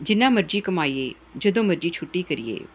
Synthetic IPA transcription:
d͡ʒɪnːãːməɾd͡ʒiːkəmaːiːḛː | d͡ʒəd̪õːməɾd͡ʒiːt͡ʃʰʊʈːiːkəɾɪ̰ḛː

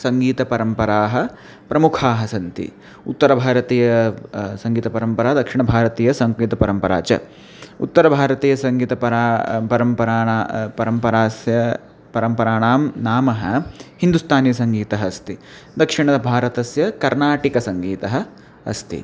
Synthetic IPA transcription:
sɐŋɡiːt̪ɐpɐɾɐmpɐɾaːɦɐ̆ | pɾɐmukʰaːɦɐsɐnt̪ḭ | ut̪ːɐɾɐbʱaːɾɐt̪iːjɐsɐŋɡiːt̪ɐpɐɾɐmpɐɾaːɦɐd̪ɐkʂiɳɐbʱaːɾɐt̪iːjɐsɐŋɡiːt̪ɐpɐɾɐmpɐɾa̰ːt͡ʃɐ̰ | ṵt̪ːɐɾɐbʱaːɾɐt̪iːjɐsɐŋɡiːt̪ɐpɐɾapɐɾɐmpɐɾaːɳapɐɾɐmpɐɾaːsjɐ | pɐɾɐmpɐɾaːɳaːmnaːmɐɦɐhind̪ust̪ʰaːnjɐsɐŋɡiːt̪ɐɦɐɐst̪i | d̪ɐkʂiɳɐd̪ɐbʱaːɾɐt̪ɐsjɐkɐɾnaːʈikɐsɐŋɡiːt̪ɐɦɐ | ɐ̰st̪ḭ

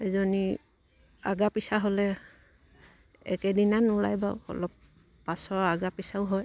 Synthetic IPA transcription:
ɛzɔni | a̰ɡapisaɦɔlɛ | ɛ̰kɛdinanula̰jba̰ɔ̰lɔpː | asɔaɡapisaʊɦɔj

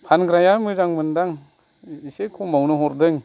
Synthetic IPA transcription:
pʰanɡɾajamɯzaŋmɯndaŋ | isekʰɔmawnɯɦɔɾdɯŋ

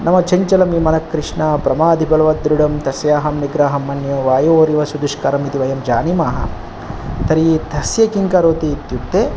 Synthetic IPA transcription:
nɐmɐt͡ʃɐɲt͡ʃɐlɐmimɐnɐkːɾɪʂɳaːpɾɐmaːd̪ʱibɐlɐʋɐd̪ɾuɽɐmt̪ɐsjaːɦɐmniɡɾaːɦɐmːɐnjɐʋaːjoːɾiʋɐsud̪uʂkɐɾɐmit̪iʋɐjɐmd͡ʒaːnimaːɦɐ̰ | t̪ɐɾit̪ʰɐsjɐkiŋkɐɾoːt̪iːt̪jupt̪eː

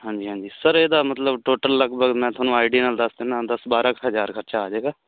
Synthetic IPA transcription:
ɦãːɲd͡ʒiːɦãːɲd͡ʒiːsəɾeːd̪aːmət̪ləbʈoːʈəlːəɡbəɡmɛ̃ːt̪ʰaːnũːaːɪɖiːnaːld̪əsd̪ɪnãːd̪əsbaːɾaːkɦəzaːɾkʰəɾt͡ʃaːaːd͡ʒeːɡaː

